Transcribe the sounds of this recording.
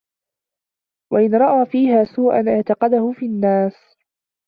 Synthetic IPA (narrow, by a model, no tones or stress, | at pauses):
waʔɪnɾˤɑʔaːfiːhaːsuːʔa̰nʔaʕt̪ɑqɑd̪ahʊfiːanːaːs